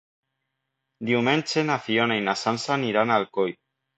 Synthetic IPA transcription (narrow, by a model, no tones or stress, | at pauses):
d̪iwment͡ʃenafionajnasansaniɾanalkoj